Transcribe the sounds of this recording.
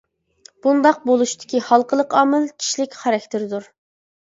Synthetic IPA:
b̥und̪ɑq̚bolˠuʃt̪ʰɪ̥kʲihɑlˠqəlˠəqɑːmɨlˠkʲʰi̥ʃlɪkʲχɑɾɑk̚ʲt̪ʰɪɾd̪uɾ

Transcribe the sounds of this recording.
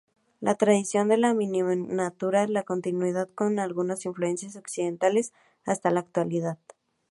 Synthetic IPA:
lat̪ɾaðisjo̞nd̪e̞lamĩninat̪uɾalako̞nt̪inwið̞aðko̞nalɣunasiɱflue̞nsjaso̞ksiðe̞nt̪ale̞s | ast̪alaːk̚t̪waliðað

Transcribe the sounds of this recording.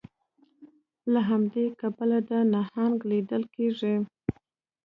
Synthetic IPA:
laɦamd̪ekabalad̪ənahaŋɡlid̪əlkeʐi

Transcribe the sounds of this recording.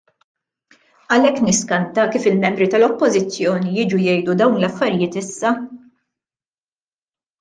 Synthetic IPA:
ɐlɛkːnɪskɐnt̪ɐkiːfɪlmɛmbɾit̪ɐlɔpːɔzɪt͡sːjɔːnijɪːd͡ʒujɛjd̪ud̪ɐwnlɐfːɐɾɪjɪːt̪ɪsːɐ

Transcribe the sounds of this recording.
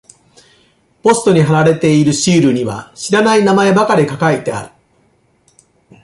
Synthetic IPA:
po̞sɨ̥t̪o̞ɲ̟iɦaɾaɾe̞t̪e̞iɾɯ̟ɕiːɾɯ̟ɲ̟iβa̰ɕiɾanainamae̞bakaɾʲikakait̪e̞a̰ɾɯ̟̥

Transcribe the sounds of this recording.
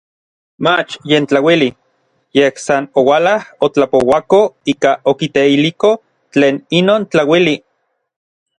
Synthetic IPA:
mat͡ʃjent͡ɬawili | jehsanowalahot͡ɬapowakoiːkaʔokit̪eiliko | t͡ɬeːninoːnt͡ɬawili

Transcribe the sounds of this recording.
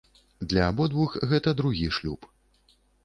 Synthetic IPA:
d̪lʲɐabɔd̪vuxɣɛt̪ɐd̪ɾuɣʲiʂlʲup

